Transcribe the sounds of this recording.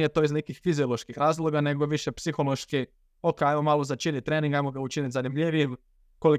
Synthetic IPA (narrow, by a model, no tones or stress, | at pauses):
ijet̪o̞iznekixfiziolˠoʃkixɾaːzlˠobjane̞ɡo̞ʋiʃepsixo̞lo̞ʃki | okeajmomalˠozat͡ʃinit̪̚t̪ːɾe̞ːnĩŋɡajmoɡaut͡ʃinit̪ʲzanimʎʲiʋiem | ko̞li